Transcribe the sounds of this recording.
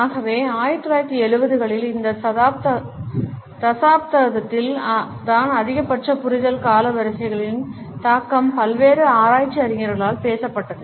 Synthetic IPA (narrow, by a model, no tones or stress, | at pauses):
aːɣɐʋeːaːjɪɾt̪ːɯlaːjɪɾt̪ːiɛɻɯbɐðɯɣɐɭɪlɪnd̪ɐɐðaːp̚t̪ɐ | t̪ɐsaːpt̪ɐðɐt̪ːɪl | t̪aːnɐðɪɣɐpːɐʈrɐpʊɾʊðɐlkaːlɐʋɐɾɯsɐɪɣɐɭɪn | t̪aːkːɐmpɐlʋeːɾɯaːɾaːjt͡ʃːiɐɾɪŋɐɾɣɐɭaːlpeːsɐpːɐʈːɐðɯ